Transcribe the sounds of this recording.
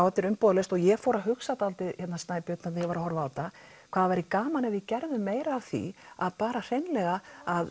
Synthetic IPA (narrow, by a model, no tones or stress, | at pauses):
awɛt̪ːɪɾʏmpɔːðlest̪ɔɣjɛfɔːɾaɦʏksat̪alt̪ɪðçɛt̪nːasaːjpjʏt̪nat̪jɛvaɾahɔɾvaːt̪a | kʰvaːðavajɾɪkaːmanɛvjɪcɛɾðʏmeːjɾaːvθḭaðpaːɾar̥ejnlɛɣaað